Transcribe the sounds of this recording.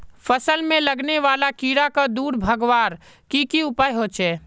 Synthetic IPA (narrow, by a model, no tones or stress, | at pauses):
fəsəlmẽləɡneʋaːlakiːɾakad̪uːɾbʱəɡʋaːɾ | kikiʊpaːjɦoːt͡ʃʰɛː